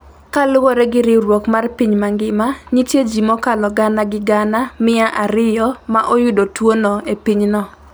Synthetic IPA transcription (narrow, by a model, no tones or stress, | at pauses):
kalʊwoɾɛɡɪɾɪɾwokmarpiɲmaŋɡɪmaɲitjed͡ʒimɔkalɔɡanaɡɪɡanamɪaʔaɾɪjɔmaʔojudotwonoepiɲnɔ